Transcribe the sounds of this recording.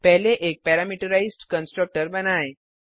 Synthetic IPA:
pɛɦleʔek̚pɛɾamiʈəɾaisʈkənsʈɾək̚ʈəɾbənaj

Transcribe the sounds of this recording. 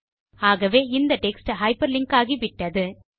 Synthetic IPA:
aːɣɐʋeːɪnd̪ɐʈɛksʈɦɐɪpɐɾlɪŋkaːɣiʋɪʈːɐðɯ

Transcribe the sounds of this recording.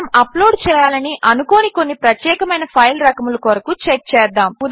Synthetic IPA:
mɐploːɖt͡ʃɛːjaːlɐniʔɐnukoniko̞nːipɾɐt̪jɛːkɐmɐjnɐpʰɐjlɾɐkɐmulukoɾɐkut͡ʃek̚t͡ʃɛːd̪aːmud̪

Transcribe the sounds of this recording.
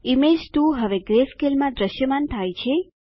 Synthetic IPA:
imed͡ʒt̪ũɦəʋeɡɾeskelmãd̪ɾəʃjəmant̪ʰajt͡ʃʰe

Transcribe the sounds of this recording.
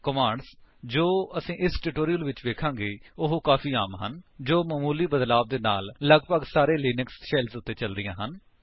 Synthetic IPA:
kəmaːɳɖsd͡ʒoːəsĩːʔɪsʈɪʈoːɾijəlʋɪt͡ʃʋeːkʰãːŋɡeːʊɦkaːfiːaːmɦənd͡ʒoːmaːmuːliːbəd̪laːb̚d̪eːna̰ːlːəɡpəɡsaːɾeːliːnɪksʃɛlsʊt̪ːeːt͡ʃəld̪ɪjãːɦən

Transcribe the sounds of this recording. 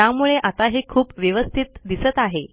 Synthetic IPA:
jamuɭeʔat̪aɦikʰuːpʋjəʋəst̪ʰit̪d̪isət̪aɦe

